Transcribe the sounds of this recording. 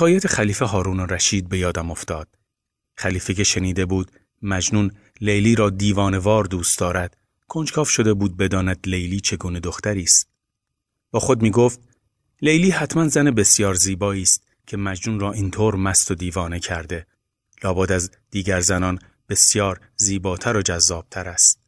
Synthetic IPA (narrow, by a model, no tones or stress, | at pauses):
sʰɒːjæt̪ʰeχæliːfe̞ɦɒːɾuːnoɾæʃiːd̪̚be̞jɒːd̪æmo̞ft̪ɒːd̪̥ | χæliːfece̞ʃe̞niːd̪e̞buːd̪ | mæd͡ʒnuːn | le̞jliːɾɒːd̪iːvɒːne̞vɒːɾd̪uːst̪d̪ɒːɾæd̪̥ | kʰo̞nd͡ʒkʰɒːfʃo̞d̪e̞buːd̪̚be̞d̪ɒːnæd̪̥lejliːt͡ʃʰe̞ɡuːne̞d̪o̞xt̪æɾiːst̪̚ | b̥ɒːxo̞d̪miːɡoːft̪̚ | le̞jliːhæt̪ʰmænzænebe̞sjɒːɾziːbɒːiːst̪̚ | cʰe̞mæd͡ʒnuːnrɒːʔiːnt̪ʰoːɾmæst̪o̞d̪iːvɒːne̞cʰæɾd̪e̞ | lɒːbɒːd̪æzd̪̥iːɟæɾzænɒːn | b̥e̞sjɒːɾ | ziːbɒːt̪ʰæɾod͡ʒæzːɒːb̥t̪ʰæɾæst̪̚